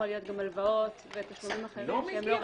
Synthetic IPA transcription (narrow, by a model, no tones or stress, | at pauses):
olijo̞t̪̚ɡamalvaot̪vet̪aʃlumimaχeʁimʃeemlo̞